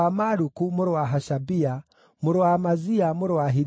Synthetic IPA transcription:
amaɾukumuɾwaɦaʃabia | muɾwamaziamuɾwaɦi

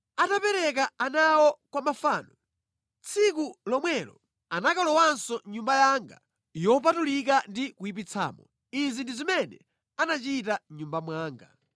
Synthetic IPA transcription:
atapɛɾɛk̬aanawɔkwamafaːnɔ | t͡sʰikulɔmwɛlɔ | anakalɔwansɔɲumbajaŋɡa̰ | jɔp̬atulik̬andikuip̬it͡sʰa̰ːmɔ | izindizimɛnɛ | anat͡ʃitaɲumbamwaːŋɡa

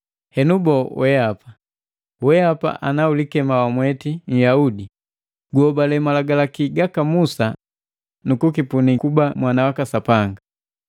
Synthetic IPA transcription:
hɛnubɔwɛapa | wɛapa̰ʔanaulikɛmawamwɛtiɲ̩jaudi | ɡuɔbalɛmalaɡalakiɡakamusa | nukukipunikubamwanawakasapaŋɡa

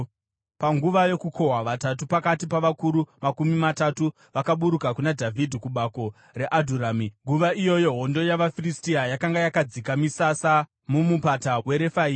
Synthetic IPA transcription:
paŋɡuʋajo̞kukʰo̞ɦwaʋatat̬upakatipaʋakuɾumakumimatatu | ʋakaɓuɾukakunadʱavʱidʱikuɓako̞ | re̞ʔadʱuɾaːmiŋɡuʋaijo̞jo̞ɦo̞ndo̞jaʋafiristiajakaŋɡajakad͡zikamisasa | mumupatawe̞ɾe̞faiː

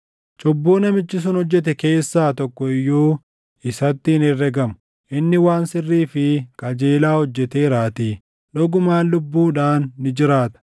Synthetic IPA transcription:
t͡ʃʼɔbːuːnɐmɪt͡ʃːɪs̬ʊnhɔd͡ʒːɛt̪ɛke̞ːsːaːt̪ɔkːɔɪjːoː | ɪsɐt̪ːɪnɪrːɛɡɐmʊ̥ | ʔɪnːɪwaːnsɪrːiːfɪkʼɐd͡ʒeːlaːhɔd͡ʒːɛt̪eːɾaːt̪iː | ᶑɔɡʊmaːnlʊbːuːᶑaːnːɪd͡ʒɪɾaːt̪ɐ̥

